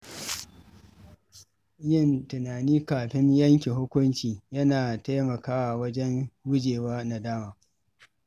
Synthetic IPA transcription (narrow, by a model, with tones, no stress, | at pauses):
jɪ˦˨ntʊ˨naː˨niː˦kaː˨ɸɪ˦ɲjɐ˦ŋkʲe˨hʊ˦kʷʊ˦nt͡ʃiː˨jɐ˦naː˨ta˦jmɐ˨kaː˦wa˨wɐ˦d͡ʒɛ˦nwʊ˦d͡ʒeː˨waː˦na˨daː˦maː˨